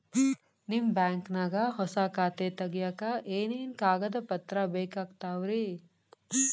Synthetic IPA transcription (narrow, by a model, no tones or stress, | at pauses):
nimbaːŋknaːɡɐɦɔsakaːt̪et̪ɐɡjaːkɐʔeːneːnkaːɡɐd̪ɐpɐt̪ɾɐbeːkaːɡt̪aːʋɾi